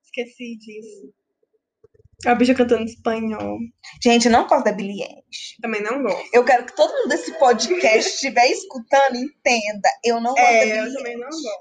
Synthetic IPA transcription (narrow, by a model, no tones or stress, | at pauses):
iskesid͡ʒisʊ | ɐbiʃɐkɐ̃t̪̬ɐ̃nispɐ̃ɲɔwʒ̥ẽnt͡ʃɪewnɐ̃w̃kɔɾd̪d̪ɐbiliḛ̃ | ʃɪ̥t̪ɐ̃mẽj̃nɐ̃w̃ɡɔst̪ewkɛɾʊkɪ̥t̪od̪ʊmũnd̪ʊesɪpod͡ʒikɛst͡ʃt͡ʃivɛiskut̪ɐ̃nd̪ʊiẽt̪ẽd̪ɐewnɐ̃w̃ɡɔɛewit̪ɐ̃mbẽj̃nɐ̃w̃ɡɔst̪